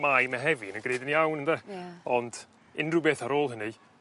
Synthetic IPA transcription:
majmɛɦɛvinəɡreːdɪniawnənðɛɔnd̥ | ɪnrʊbeːθaɾoːlˠɦənɨ

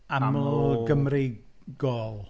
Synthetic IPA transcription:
aɡəmri | ɡɔlˠ

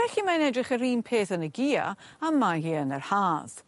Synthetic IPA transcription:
ɛɬimanɛdrɪχəɾiːnpʰeːθənəɡiːa̰ | amːahiːənərhaːz̥

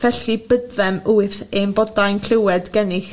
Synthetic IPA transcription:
vɛɬibədðɛmuɨθembɔdajnkʰlɪwɛdɡɛnɪx

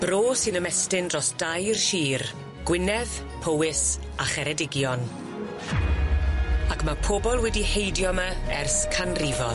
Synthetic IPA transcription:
b̥roːsɪnəmɛstɪnrɔsd̥ajrʃiːr | ɡ̥wɪnɛð̥ | pʰowɪs | aχɛɾɛdɪɡjɔn | akmapʰobɔlˠwɛdihejdjɔmaɛrskʰanrivɔ

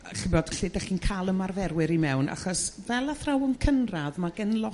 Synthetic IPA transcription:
ɬɪboːd̥ɬɪːdaχiːnkʰalˠəmarvɛrwɪɾimɛwna̰χɔsvɛlˠaθrawɔnkʰənraðmaɡɛnlˠɔ

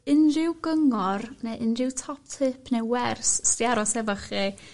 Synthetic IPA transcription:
ɪnrɪwɡəŋɔrnɛʔɪnrɪwtʰɔp̚tʰɪpʰnɛwwɛrsstjaɾɔsɛvəχi

